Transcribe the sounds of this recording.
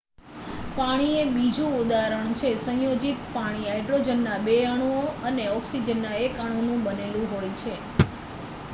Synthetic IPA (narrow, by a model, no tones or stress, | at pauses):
paɽ̃iebid͡ʒũud̪aɾəɳ̃t͡ʃʰesə̃jod͡ʒit̪paɽ̃iɦajɖɾod͡ʒənːabeaɽ̃uoəneɔksid͡ʒənːaekaɽ̃onũbənelũɦojt͡ʃʰe